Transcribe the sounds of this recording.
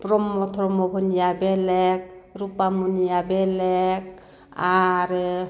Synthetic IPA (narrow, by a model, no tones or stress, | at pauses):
pɾɔmɔt̪ʰɔɾɔmɔbʱɔnijabɛlɛk̚ɾupamunijabɛlɛk̚ | aɾ